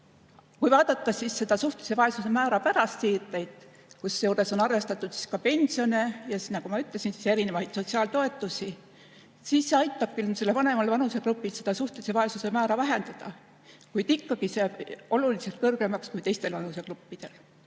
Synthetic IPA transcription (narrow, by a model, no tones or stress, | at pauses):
kujvɑːd̪̥ɑt̪ːˑɑsisːe̞d̪̥ɑsuht̪e̥sevɑe̞suse̞mæːɾɑpæɾɑst̪siːrt̪ːˑejd̪̥ | kusːejuːɾe̞so̞nɑrve̞st̪ɑt̪ːˑut̪si̥skɑpe̞nʲsio̞nejɑsnːɑkumɑyt̪ːˑlesinsise̞ɾine̞vɑjd̪̥so̞t̪siɑːlt̪o̞e̞t̪ːˑusʲi | siːsːe̞ɑjt̪ːˑɑb̥kylselːevɑne̞mɑlvɑnuse̞klupːˑilse̞d̪̥ɑsuht̪ese̞vɑe̞suse̞mæːɾɑvæɦe̞nd̪ɑd̪̥ɑ | kujd̪ikːɑɡ̥iseɑbo̞lulise̞lt̪̚kɤrɡ̥e̞mɑkskujt̪e̞jst̪e̞lvɑnuse̞klupːid̪̥e̞l